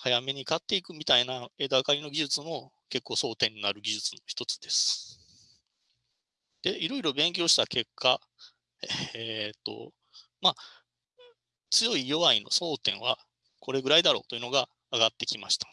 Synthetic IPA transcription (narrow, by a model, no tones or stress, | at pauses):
hajame̞ɲ̟ikat̪ːe̞ikɯ̟mʲit̪ainae̞d̪akaɾʲino̞ɡʲiʑɨt͡sɨmo̞ | ke̞kːo̞ːso̞ːt̪ẽ̞ɲ̟ːinaɾɯ̟ɡʲiʑɨt͡sɨno̞çi̥t̪o̞t͡sɨ̥d̪e̞sɨ̥ | d̪̥e̞iɾo̞iɾo̞bẽ̞ŋkʲo̞ːɕi̥t̪ake̞kʰːa | eet̪ːo̞̰ | ma | t͡sɨjo̞ijo̞βaino̞̰so̞ːt̪ẽ̞ɰ̃β̞a | kʰo̞ɾe̞ɡɯ̟ɾaid̪aɾo̞̰ːt̪o̞jiɯ̟no̞ɡaː | ɡat̪ːe̞kʲimaɕi̥t̪ḁ